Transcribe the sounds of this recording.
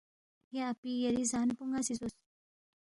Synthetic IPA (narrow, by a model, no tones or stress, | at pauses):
ɦeapijeɾizanpuŋɡasit͡sos